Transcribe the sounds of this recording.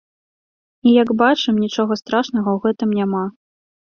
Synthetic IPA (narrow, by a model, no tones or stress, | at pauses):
ijɐɡbat͡ʂɨmnʲit͡ʂɔɣɐst̪ɾaʂnɐɣɐwɣɛt̪ɨmnʲama